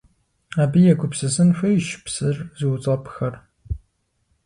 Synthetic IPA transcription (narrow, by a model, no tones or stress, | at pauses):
aːbɨjɛɡʷʊpsɨsɨnxʷɐjʃpsɨrziwt͡sʼɐpxɐr